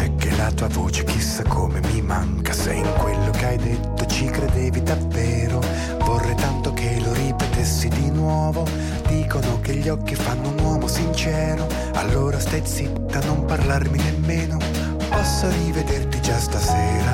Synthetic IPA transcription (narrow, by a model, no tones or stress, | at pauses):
ɛkːelat̪uːavoːt͡ʃe̥k̟isːakʰːomemimaŋkasɛ̰iŋkwelːokeajd̪et̪ːot͡ʃikɾed̪ɛːvid̪avːɛːɾo | vɔrːet̪ant̪okʰeloɾipet̪esːid̪inwɔːvo | d̪iːkonokeʎːɔkːifanːoʊunwɔːmosint͡ʃɛːɾo | a̰lːoːɾast̪ajt̪sit̪ːanːomparlarminemːeːno | pɔsːorived̪ert̪id͡ʒast̪asɛːɾa